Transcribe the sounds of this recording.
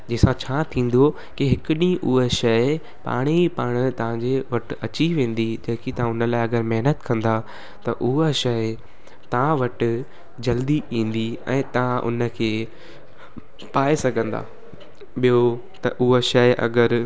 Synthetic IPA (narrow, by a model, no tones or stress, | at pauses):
d͡ʑeːsãt͡ɕʰaːt̪ʰĩːn̆d̪o | kiɦɪkɪɗĩʔʊɦeʃɐɪ | pa̰ːɽ̃ipaːɽ̃̆t̪ɐʋ̤ãɲd͡ʑeʋɐʈɪ̆ɐt͡ɕiʋẽːn̆d̪id͡ʑɐɦɪ̃kit̪ɐãʊnəlaːɪɐɡəɾmɛɦnət̪kɐ̃nd̪a | t̪ɐʔʊɦaʃɐɪ | t̪ɐãʋɐʈɪ̆ | d͡ʑɐld̪iʔĩːn̆d̪iɛ̰̃ːt̪ɐãʔʊ̰nə̆kʰeː | paːesɐɡʱə̃nd̪a̰ː | ɓijo | t̪ɐʔʊɦoʃɐɪʔɐ̰ɡəɾ